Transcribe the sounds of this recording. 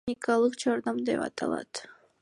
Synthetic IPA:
ikɑlˠɯqd͡ʒɑɾd̪ɑmd̪epɑ̰t̪ʰɑ̰lˠɑ̰t̪

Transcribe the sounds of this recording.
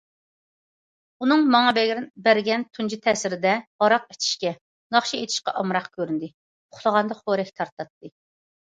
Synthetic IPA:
unɨŋmɑŋɑbɛɡʲɾɪnbɛɾɡʲɛnt̪ʰund͡ʒit̪ʰɛsɪɾɪd̪ɛɑɾɑq̚e̥t͡ʃ̪ʰi̥ʃkʲɛ | nɑχʃiet̪ʰɪ̥ʃqɑ̰ʔɑmɾɑqkʲʰøɾynd̪ɪ | ʊχlˠəʁɑnd̪ɑχoɾɛkʲt̪ʰɑɾt̪ɑt̪ːɨ

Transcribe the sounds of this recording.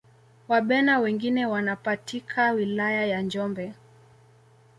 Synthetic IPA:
waɓɛnawɛŋɡinɛwanapatikʰawilajajand͡ʒɔmbɛ

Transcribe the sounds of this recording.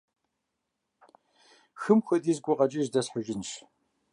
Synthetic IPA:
xɨmxʷɐdiːzɡʷʊqɐt͡ʃʼiʒdɐsħʊʒɪnʃ

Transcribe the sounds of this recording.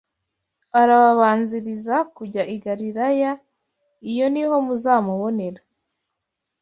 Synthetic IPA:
aɾaβaβaːnziɾizakuɟaʔiɡaɾiɾaja | ijo̞niɦo̞muzaːmuβo̞ne̞ɾa

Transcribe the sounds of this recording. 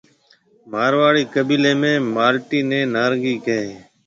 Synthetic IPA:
maːɾʋaːɽiːkəbiːleːmẽːmaːlʈiːnẽːnaːɾɡiːkəẽː

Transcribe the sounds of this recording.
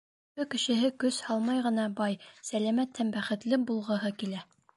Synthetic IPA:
bɘkɘ̆ʃɘ̆ɦɘkɵshɑlˠmɑjʁɤ̆nɑbɑjsælæmæt̪hæmbæχɘ̆t̪lɘbulˠʁɤ̆ɦɤkilæ

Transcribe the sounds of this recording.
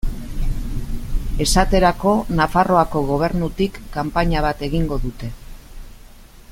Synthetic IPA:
e̞sat̪e̞ɾako̞nafaro̞ako̞ɣ̞o̞β̞e̞ɾnut̪ikːampaɲaβ̞at̪e̞ɣiŋɡo̞ðut̪e̞

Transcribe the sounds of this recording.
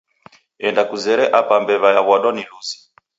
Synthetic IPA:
ɛndakuzɛɾɛʔapambɛβajaβɔɗɔniluzi̥

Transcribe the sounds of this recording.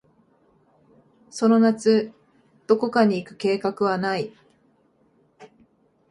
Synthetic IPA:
so̞no̞nat͡sɨ | d̪̥o̞ko̞kaɲ̟iːkɯ̟̥ke̞ːkakɯ̟βanai

